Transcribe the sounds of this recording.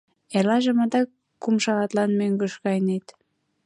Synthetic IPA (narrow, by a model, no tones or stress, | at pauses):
elɑʒĕmɑd̪ɑk | kːumʃɑʁɑt̪lɑnmøŋɡə̆ʃkɑjnet̪